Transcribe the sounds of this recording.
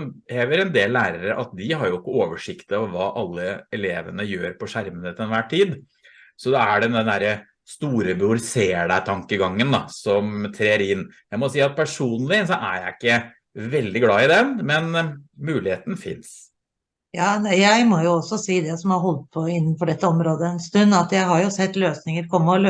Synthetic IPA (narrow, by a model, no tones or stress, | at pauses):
eːʋəɾɛnd̪eːlːæːɾəɾəʔɑ̰t̪̚d̪ɪhɑɾjʊɪkːəoːʋəʂɪkt̪əɑʋʋɑːʔɑlːəɛleːʋənəjøːɾpɔʂæɾmənət̪ɛnʋæʈʰːiːd̪ | sɔd̪ɑæɖɛnd̪ɛnd̪æɾə | st̪uːɾəbɪʊɾɪseːɽæt̪ʰɑŋkəɡɑŋːənd̪ɑsɔmt̪ʰɾeːɾɪnːjæɪmɔsiːɑt̪̚pʰæʂuːnlɪsɔʔæjæɪɪkːə | ʋɛld̪ɪɡlɑːɪd̪ɛnmɛnmʉːlɪheːt̪n̩fɪ̰ns | jɑːnæjæɪmɔjʊɔsːɔsiːd̪ɛsɔmhɑɾɦɔlt̪̚pʰɔɪnːən̩fɔɖɛt̪ːəɔmɾoːd̪əɛnst̪ʉnd̪ɑt̪jæɪɦɑɾjʊsɛt̪ːløːsnɪŋəɾkʰɔmːəɔlø